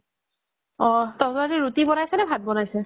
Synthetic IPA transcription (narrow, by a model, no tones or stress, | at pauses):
ɔtɔ̃tɔaziɹutibɔnajsɛnɛbʱat̚bɔnajsɛ